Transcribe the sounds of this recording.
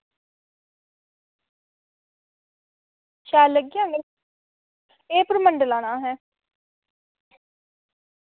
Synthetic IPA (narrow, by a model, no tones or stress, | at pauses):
ʃaːləɡijãːɡe | eːpəɾməɳɖəlãːnaːɦɛː